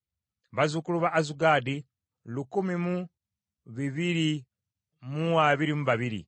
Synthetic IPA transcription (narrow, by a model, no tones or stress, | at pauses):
βazukuluβaʔːzuɡaːdi | lukumimu | βiβiɾi | muwaβiɾimuβaβiɾḭ